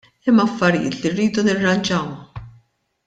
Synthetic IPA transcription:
ɪmːɐfːɐɾɪjɪ̰ːt̪lirːiːd̪unɪrːɐnd͡ʒɐwɐ

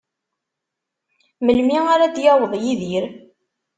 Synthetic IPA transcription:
məlmiaɾad̪jɑwðˤjiðiɾ

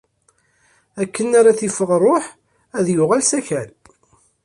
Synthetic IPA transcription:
ækʰːənːaɾaθifəʁrˤoħ | æðjʊʁælsæçæl

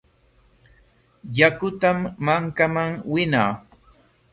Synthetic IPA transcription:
jakʊt̪amːaŋkamaŋwɪnaː

